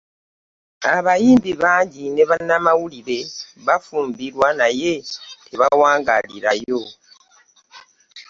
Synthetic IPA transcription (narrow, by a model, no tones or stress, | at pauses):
aβajiːmbiβaːɲɟine̞βanːamawuliɾe̞βafuːmbiɾwanaje̞tʰeβawaːŋɡalḭɾajo̞